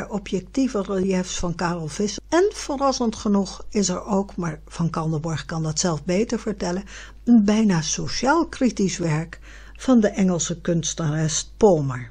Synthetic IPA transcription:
aɹɔpjɛk̚tivərəljɛftsfɑnkaːrɔlˠv̥ɪsɛnv̥oːrɑsəntχənuχɪsɛɹowkmaːɹv̥ɑnkɑlˠdəbɔɹχkɑndɑtsɛlˠfbejtəɹv̥əɹtɛlə | ənbɛjnaːsoʃaːlˠkritisʋɛɹk | v̥ɑndəʔɛŋəlˠsəkɵnstərɛst̚poməɹ

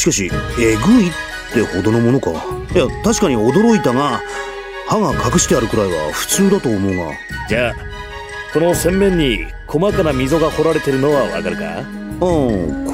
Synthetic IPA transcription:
ɕi̥kaɕ̬ie̞ɡɯ̟it̪ːe̞ho̞d̪o̞no̞mo̞no̞ka̰jat̪aɕi̥kaɲ̟io̞d̪o̞ɾo̞it̪aŋa | haŋakʰakɯ̟ɕi̥t̪eaɾɯ̟kɯ̟ɾaiβa̰ɸɯ̟̥t͡sɨːd̪at̪o̞ːmo̞ɯŋa̰ | d͡ʑaː | ko̞no̞sẽ̞mːẽ̞ɲ̟ːi | kʰo̞makanamʲizo̞ɡaho̞ɾaɾe̞t̪e̞ɾɯ̟no̞βaβa̰kaɾɯ̟ka̰ | õk

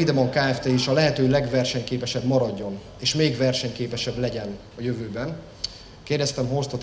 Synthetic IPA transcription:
id̪ɛmoŋkaːɛft̪eːiʃɒlɛɦɛt̪øːlɛɡvɛrʃɛɲkeːpɛʃɛbmɒɾɒɟːo̞n | eːʃmeːɡvɛrʃɛɲkeːpɛʃɛblɛɟɛn | ɒjøvøːbɛn | keːrdɛst̪ɛmɦost̪ɒt̪

